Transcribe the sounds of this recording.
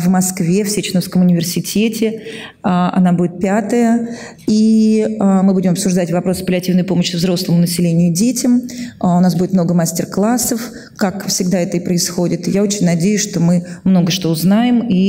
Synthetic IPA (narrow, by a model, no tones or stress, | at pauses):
vmɐskvʲefsʲet͡ɕɪnəfskəmʊnʲɪvʲɪrsʲɪtʲetʲɪ | əɐ̰nabudʲɪt̪̚pʲat̪əjə | iəmɨbudʲɪmɐpsʊʐd̪atʲvɐpɾo̞sɨ̥pəlʲɪɐtʲivnəjpo̞məɕːɪvzɾo̞slˠəmʊnəsʲɪlʲenʲɪjʊdʲetʲɪmʊnasbudʲɪt̪mno̞ɡəmasʲtʲɪrklˠasːəf | kakfsʲɪɡd̪aɛt̪əipɾəɪsxodʲɪt̪ɨjao̞t͡ɕɪnʲnɐdʲejʊsʂt̪o̞mɨmno̞ɡəʂt̪o̞ːznajɪmi